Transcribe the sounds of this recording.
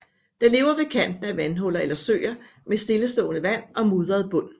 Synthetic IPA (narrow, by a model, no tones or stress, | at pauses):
d̥ɑ̈le̝ːʊɐʋe̝kʰæn̰d̥n̩əæʋænɦɔ̽l̰ɐelɐsø̰ːɪɐ | mesd̥e̝ləsd̥ɔ̰̽ːnəʋæn̰ʔɒ̽muːðˠʁɐð̩ˠb̥ɔ̽n̰